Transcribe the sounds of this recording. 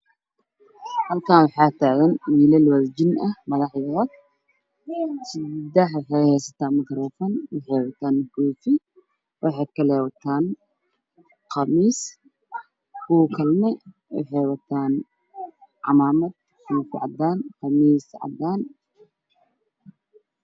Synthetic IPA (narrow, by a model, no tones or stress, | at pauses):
hɐlkʰaːnwɑħɑːt̪ʰaːɣɐnwiːlɛlwɐðd͡ʒɪnɐhmɐðɑħjɐɐɡ | sɪd̪ɐħwħɛhɛjsɐt̪ʰaːnmɐkɾɔːfɔnwɑħɛjwɐt̪ʰaːnkuːfɪ | wʔɑħɑːkʰɐlɛːwɐt̪ʰaːn | qɑmiːs | kuːkʰɐlmɛ | wɑ̰ħɑjwɐt̪ʰaːn | ʕɑ̰maːmɐd̪̚ | kuːfɪʕɑ̰d̪aːnqɑmiːsʕɑ̰d̪aːn